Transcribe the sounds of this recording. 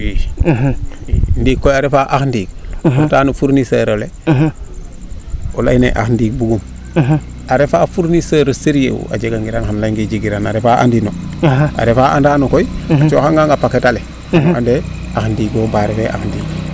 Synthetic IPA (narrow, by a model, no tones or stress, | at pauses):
wi | indiːkːojaɾefaʔaxndiːk̚otaːnufuɾnisaɾole | ola̰jnḛʔa̰xndiːk̚buɡum | aɾefaːfuɾnisaɾoseɾjḛṵa̰d͡ʒeɡaŋɡiɾanxanlaŋɡid͡ʒiɡiɾanaɾefaʔa̰ndinoa̰ɾefaʔa̰ndaːnokojat͡ʃoːxaŋɡaŋapaketale | ande | axndiːɡbombaɾefeʔa̰xndiːk